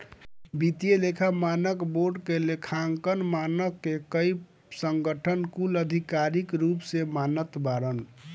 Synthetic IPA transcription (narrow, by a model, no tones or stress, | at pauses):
bit̪ijelekʰamanəkboɾɖkelekʰaŋkənmanəkːekəi | səŋɡəʈʰənkuləd̪ʱikaɾikɾupsemanət̪baɾən